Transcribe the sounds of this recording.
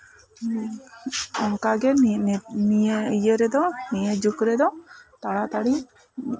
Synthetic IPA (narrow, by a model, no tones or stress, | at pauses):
ɔŋkaɡɛ | nijejəɾɛd̪ɔnijəd͡ʒukɾɛd̪ɔt̪aɽat̪aɽi